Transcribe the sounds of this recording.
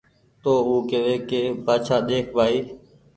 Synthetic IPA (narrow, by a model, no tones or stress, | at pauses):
t̪oːuːkeʋeːkeːpaːt͡ʃʰaːɗ̪eːkʰbʱaːiː